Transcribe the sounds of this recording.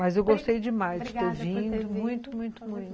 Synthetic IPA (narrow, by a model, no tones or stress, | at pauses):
mɐzewɡost̪ejd͡ʒɪmajzd͡ʒɪt̪eɾvĩd̪ʊmũj̃t̪ʊmũj̃t̪ʊmũj̃t̪